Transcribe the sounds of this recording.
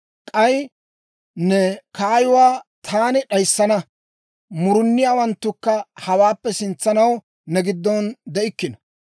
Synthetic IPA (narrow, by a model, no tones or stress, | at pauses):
kʼɐj | nɛkaːjʊwaːt̪ʰaːnɪɗɐjsːɐnɐ | mʊɾʊnːɪjaːwɐnt̪ːʊkːɐhɐwaːpːɛsɪnt͡sːɐnɐw | nɛɡɪd̪ːɔnd̪ɛʔɪkːɪnɔ̥